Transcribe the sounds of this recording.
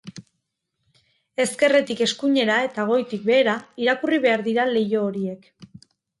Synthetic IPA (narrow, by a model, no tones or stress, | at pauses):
e̞ske̞re̞t̪ike̞skuɲe̞ɾae̞t̪aɣ̞o̞jt̪ik̚be̞ːɾaiɾakuriβe̞aɾðiɾale̞jo̞ːɾie̞k